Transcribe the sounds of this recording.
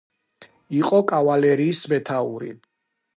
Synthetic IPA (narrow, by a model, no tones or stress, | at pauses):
iqʼɔkʼavalɛɾiːsmɛt̪ʰauɾḭ